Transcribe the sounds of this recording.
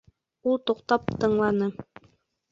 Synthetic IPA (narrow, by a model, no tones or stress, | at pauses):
ulˠt̪ŏqt̪ɑp̚t̪ɤ̆ɴlˠɑnɤ